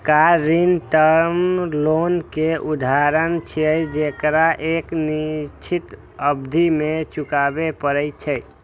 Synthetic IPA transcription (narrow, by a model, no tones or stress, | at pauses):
kaɾinʈəɾmlonkeʔud̪ʱaɾənt͡ʃʰijəjd͡ʒekɾaʔeknit͡ʃʰit̪ | əbd̪ʱimet͡ʃukabepəɾɛjt͡ʃʰəj